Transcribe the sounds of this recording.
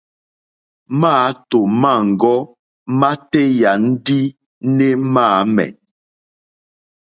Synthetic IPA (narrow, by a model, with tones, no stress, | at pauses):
maː˦to˨ma˦˨ŋ̩˨ɡɔ˦ | ma˦tɛ˦ja˨n̩˦di˦ | ne˦maː˦˨mɛ̰˨